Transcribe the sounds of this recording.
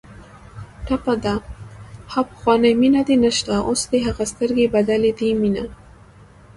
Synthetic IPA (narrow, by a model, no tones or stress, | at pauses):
ʈapad̪a | hapə̥xwɑnəjminad̪enəʃt̪aʔosd̪eɦaɣast̪əɾɡebad̪aled̪imina